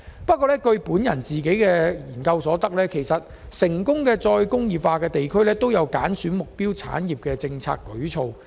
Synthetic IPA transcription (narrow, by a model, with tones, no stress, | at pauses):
pɐ˥t̚kʷːɔː˧lɛː˥kɵ˧ɥpuː˨˥njɐ˨˩nt͡siː˨ke˨˥jkɛː˧jiː˨˩nkɐ˧wsɔː˨˥t̪ɐ˥k̚lɛː˥kʰe˨˩jsɐ˨t̚ | sɪ˨˩ŋkʊ˥ŋkɛː˧t͡sɔː˧jkʊ˥ŋjiː˨˩faː˧kɛː˧t̪e˨jkʰɵ˥ɥlɛː˥t̪o˥wjɐ˨˧wkaː˨˥nsyː˨˥nmʊ˨k̚piː˥wt͡sʰa̰ː˨˥njiː˨˩p̚kɛː˧t͡sɪ˧ŋt͡sʰa̰ː˧kːɵ˨˥ɥt͡ʃʰo˧w